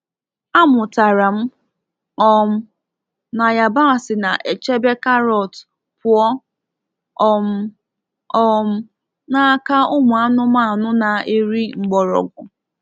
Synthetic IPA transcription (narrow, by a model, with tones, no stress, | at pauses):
a˦mʊ˨ta˨ɾa˨m̩˦ | ɔ˦m̩˦ | na˨ja˨ba˦˨sɪ˨na˨ʔe˨t͡ʃe˦be˦ka˦ɾɔ˨t | pʊ˨ɔ˦ | ɔ˨m̩˦ | ɔ˦m̩˦ | na˦ka˦ʊ˦mʊ˨a˦nʊ˦ma˦a˨nʊ˦na˨e˦ɾi˦ŋ͡m̩˨ɡ͡bɔ˨ɾɔ̰˨ɡʷʊ˨